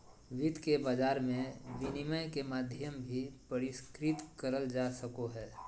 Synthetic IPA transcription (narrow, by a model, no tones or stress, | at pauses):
ʋɪd̪kebaːd͡ʒaːɾmẽʋɪnɪməjkemaːd̪ʱjəmbʱipəɾɪskɾɪt̪kəɾəld͡ʒasəkoɦɛː